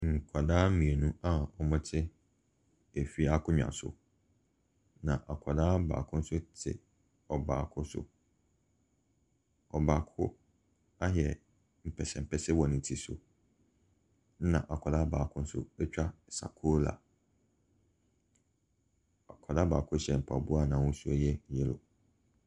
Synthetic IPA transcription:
ŋ̩˨kʷʰa˨daː˦mĩ˨e˨nũ˦a˦˨ɔ˨mʊ̃˦tʰɪ˦ | æ˨fi˨a˦kʰʊ̃˦ɲᶣã̰˨n˨sʊ̰˨ | nã˨ʔa˨kʷʰa˨daː˦ba̰ː˨kʰʊ̃˦n̩˦sʊ˦tʰɪ̰˨ | ɔ˨baː˨kʰʊ˦sʊ̰˦˨ | ɔ˨baː˨kʰʊ˦ | a˦ɦjɛ˨ | m̩˨pʰɛ˨sɛ˨m̩˨pʰɛ˦sɛ˦wɔ˨nɪ̃˨n˨tʰi˨sʊ̰˨˦ | nã̰˨ʔa˨kʰɔ˨da˦ba̰ː˨kʰʊ̃˦n̩˦sʊ̰˦ɛ˦t͡ɕᶣa˦˨sa̰˨kʰoː˦la̰˨ | a˨kʷʰɔ˨da˦baː˨kʰʊ˦ɕɛ˨m̩˨pʰa˨bʊ˦a˦˨nã˨wʊ̃˦su˦æ˦jɛ˦jɛ˨lʊ̰˨

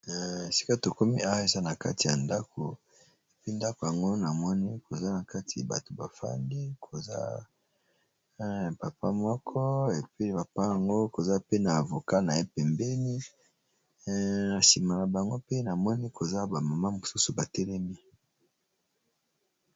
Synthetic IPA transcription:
e˨si̥˦ka˦to˨ko˦mi˦a˦wa˦e˨za˦na˨ka̰˦ti˨ja˨nda˦kʰo˨ | e˨pi˦nda˦ko˨ja˨ŋɡo˦na˨mɔ˦ni˦kʰo˨za˦na˨ka˦ti˨ja̰˨ba̰˨to˨ba˨fa̰˦ŋɡi˦kʰo˨za̰˦ | pa˨pa˦mɔ˦kʰɔ˦e˨pi˦pa˨pa˦ja˨ŋɡo˦ko˨za˦pe˦na˨a˨vo˨ka˦na˨e˦pɛ˨mbɛ˦ni˦ | na˨si˨ma˨la˨ba˨ŋɡo˦pe˦na˨mɔ˦ni˦kʰo˨za˦ba˨ma˨ma˦mo˨su˦su˨ba˨tɛ˦lɛ˦mi˦

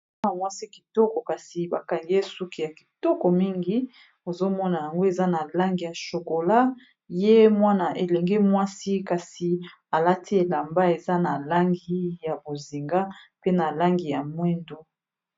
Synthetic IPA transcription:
a˨mwa˦si˦ki̥˨tɔ˦kɔ˨ka˨si˨ba˨ka˨ŋɡe˦su˦ki˦ja˨ki˨tɔ˦kɔ˨mi˦ŋɡi˦ | o˨zo˦mɔ˦na˨ja˨ŋɡo˦e˨za˦na˨la˦ŋɡi˨ja˨ʃo˨ko˨la˦ | je˦mwa˦na˨ʔe˨lɛ˨ŋɡɛ˦mwa˦si˦ka˨si˨ | a˨la˦tʰi˦e˨la˨mba˦e˨za˦na˨la˦ŋɡi˦ja˨bo˨zi˨ŋɡa˦pe˦na˨la˦ŋɡi˨ja˨mwɛ˦ndo˦

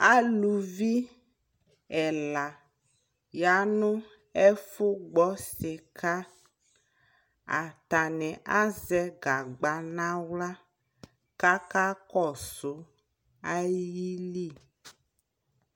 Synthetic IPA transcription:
a˦lu˨vi˦ | ɛ˨la˨ | ja˨nũ˦ | ɛ˦fo˦ɡ͡bɔ˦se˨ka˦ | a̰˨t̪a˨nɛ̃˨ʔa˦zɛ˦ɡa˨ɡ͡ba˨nã˦wla˦ | ka˦ka˦kɔ˦˨so˨˦ | a˦jjji˦li˦˨

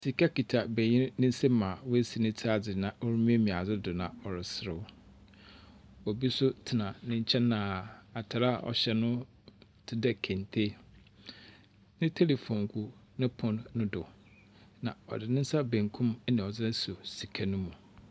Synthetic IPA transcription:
si˨kʰa˦ki˨tʰa˨be˨ɲɪ̃˦ɾnɪ̃˦n̩˦se˦mã˨wʊ˦e˦si˨nɪ̃˦tʰa˦d͡zɪ˨nã˨ʔɔ˦ɾu˦m˦e˦mĩ˨a˨d͡zɪ˦dʊ˨nã˨ɔ˨ɾɪ˨sɪ˨ɾɪ˦˨w | ɔ˨bi˦sʊ˦tʰɪ˨nã˨nɪ̃˦ɲ̩˦t͡ɕʰɛ̃˦nnã˨a˨tʰa˨ɾa˦˨ɔ̰˨ɕɛ˦nʊ̃˦ | tʰɪ˦dɛ˦˨kʰɛ̃˨ntʰe˦ | nɪ̃˦tʰe˦le˨fõ˨ŋɡu˨nɪ̃˦pʰɔ̃˨nːʊ̃˦dʊ˨ | nã˨ɔ̰˨dɪ˨nɪ̃˦n̩˦sa˦bẽ˨ŋkʰũ˦m˦nĩ˨ɔ˨d͡zɪ˦nɪ̃˦so˨si˨kʰa˦nʊ̃˦mũ˨

